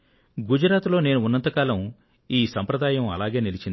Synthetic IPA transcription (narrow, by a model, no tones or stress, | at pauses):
ɡud͡ʒɐɾaːt̪lo̞ːne̞ːnuunːɐnt̪ɐkaːlɐm | iːsɐmpɾɐd̪aːjɐmɐ̰laːɡeːnilit͡ʃind̪i